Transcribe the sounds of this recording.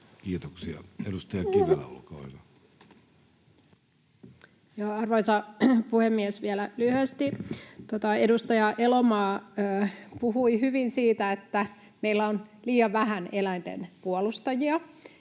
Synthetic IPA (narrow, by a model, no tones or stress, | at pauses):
kiːt̪oksiɑ̰edust̪ɑjɑkiʋelːæ̰olkɑ̰ːhyʋɑ | jɑːɑrʋoisɑpuhemːiesʋiælælyhyæst̪it̪ot̪ɑedust̪ɑjɑʔelomɑːøːpuhuihyʋinsiːt̪æet̪ːæ | meilːæonliːɑʋæhænelæint̪ḛnpuolust̪ɑjiɑ